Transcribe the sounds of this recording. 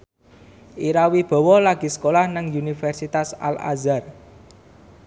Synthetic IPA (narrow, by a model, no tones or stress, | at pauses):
ʔiɾawib̥ɔ̤wɔlaɡ̥i̤sə̥kolahnəŋunifɛrsit̪asa̰la̰zar